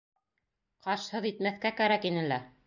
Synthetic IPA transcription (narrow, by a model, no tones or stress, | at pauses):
qɑʃhɤðit̪̚mæθkækæɾækinɘlæɾ